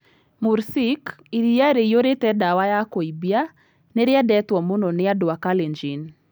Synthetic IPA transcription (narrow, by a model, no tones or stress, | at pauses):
muɾsikiɾijaɾejoɾetɛdawajakoibia | neɾɪadɛtwɔmunɔnɪadʊakaleɲd͡ʒin